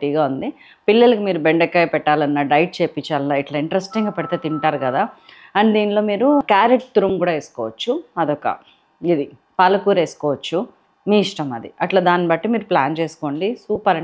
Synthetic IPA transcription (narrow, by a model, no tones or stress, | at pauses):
ʈiːɡaːund̪i | pilːɐlɐkumiːɾubeɳɖɐkːɐjpɛʈːaːlɐnːɐɖɐjʈ̚t͡ʃe̞ːpit͡ʃːaːlɐnɐiʈlɐiɳʈɾesʈiŋɡaːpɛɽit̪eːt̪iɳʈaːɾukɐd̪aː | ɐnd̪iːnlo̞ːmiːɾukaːɾeʈt̪uɾumkuːɽaːeːsu̥kɔːʋɐt͡ʃːuɐd̪ɔkɐ̰ | id̪i | pɐlɐkuːɾe̞ːsu̥kɔːʋɐt͡ʃːu | miːiʂʈɐmɐd̪iɐʈlaːd̪aːnibɐʈːimiːɾuplaːnt͡ʃe̞ːsu̥ko̞ːɳɖisuːpɐɾɐ